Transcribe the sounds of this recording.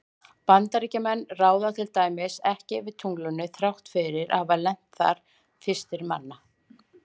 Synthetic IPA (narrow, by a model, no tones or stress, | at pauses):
pant̪aɾicamɛnːraːwðat̪ʰɪlt̪aːjmɪsɛhcɪvɪt̪ʰuŋklʏnːʏθɾjawht̪fɪɾɪɾʔa̰avalɛn̥t̪θa̰ɾ̥ | fɪ̥st̪ɪɾma̰nːa